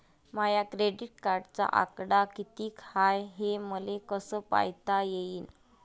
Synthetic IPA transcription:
majakɾeɖiʈ̚kaɾɖt͡sa̰ʔa̰kɽakit̪iːkhajɦeməlekəsəpa̰jt̪ajeiːn

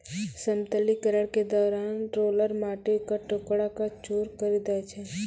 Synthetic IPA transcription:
səmt̪əlikəɾəɽked̪ɔːɾaːnʈɾoːləɾmaːʈekaʈʊkɽakat͡ʃuːɾkəɾid̪aet͡ʃʰɛ

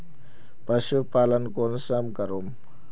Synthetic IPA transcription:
pɐʃupaːlɐnkonsɐmkɐɾom

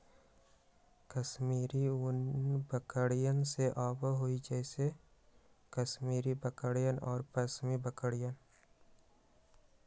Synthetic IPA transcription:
kəsmiːɾiʊnbəkəɽijənseʔaːbəɦoid͡ʒɛːse | kəsmiːɾibəkəɽijənʔɔːɾpəsmibəkəɽijən

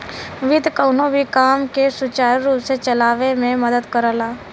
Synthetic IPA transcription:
ʋɪd̪ʱkəʊnobʱikaːmkesʊt͡ʃaːɾɾuːpset͡ʃɐlaːʋemẽmɐd̪əd̪kəɾəlaː

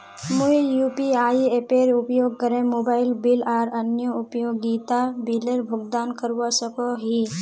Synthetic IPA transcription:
mʊjuːpiaːiepeːɾʊpjoːɡ̚kəɾẽmoːbaːɪlbɪlaːɾɐnjəʊpjõːɡiːt̪abiːləɾbʱʊɡd̪aːnkəɾasəkoɦiː

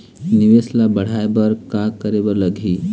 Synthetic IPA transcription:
nɪʋeslabəɽ̤aebəɾkakəɾebəɾləɡʱiː

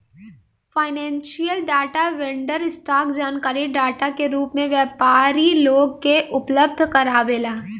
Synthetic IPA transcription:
faːɪnɛ̃ːnʃijəlɖaːʈaʋẽɳɖəɾɪsʈaːkd͡ʒaːnkaːɾiɖaːʈakeɾuːpmẽʋjɛːpaːɾiloːɡ̚keʔʊpləb̚d̪ʱkɐɾaːʋeːlaː

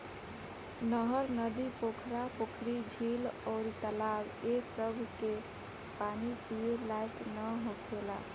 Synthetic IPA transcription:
nəɦəɾnəd̪ipokʰɾapokʰɾid͡ʒʱilɔɾit̪əlab | esəbʱke | panipijelajʈnəɦokʰela

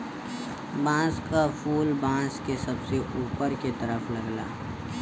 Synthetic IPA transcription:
bãːskafʰuːlbãːskesɐbseuːpəɾket̪ɐɾəfʰlɐɡla̰ː

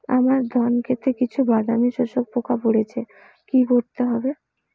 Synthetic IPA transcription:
a̰maɾd̪ʱɔnkʰet̪ɾekit͡ɕʰubad̪ʱamiʃoʃok̚pokʰapoɽet͡ɕʰe | kikoɾt̪eɦɔbe

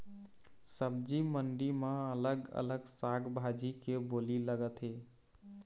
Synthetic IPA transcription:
səbd͡ʒiməɳɖimə̃ələɡə̰ləɡsaɡbʱad͡ʒikeboliləɡət̪ɦe

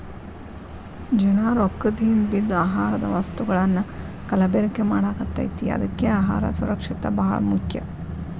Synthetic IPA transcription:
d͡ʒɐnaːɾokːɐd̪ʱinbid̪ːaːɦaːɾɐd̪ɐ̰ʋɐst̪uɡɐɭɐnːɐ | kɐlɐbeɾɐkːemaːɽaːɡɐt̪ːɐ̰jt̪ijḛɐ̰d̪ɐkːeaːɦa̰ːɾɐ̰suɾɐkʂit̪ɐbɐɦɐ̰ɭɐ̰mukʰjɐ̰

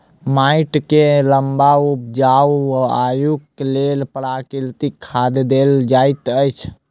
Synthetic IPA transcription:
maiʈkeləmbaupd͡ʒawajuklelpəɽakilt̪ikʰːad̪d̪eld͡ʒajt̪əjt͡ʃʰ

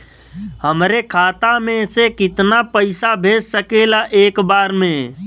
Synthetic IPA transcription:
ɦəmɾekʰaːt̪amẽsekɪt̪napəɪsabʱeːd͡ʒsəkelaʔeːkbaːɾmẽ

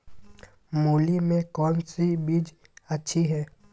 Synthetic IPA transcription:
moːlimẽkɔːnsibiːd͡ʒ | ɐtːʃʰiɦɛː

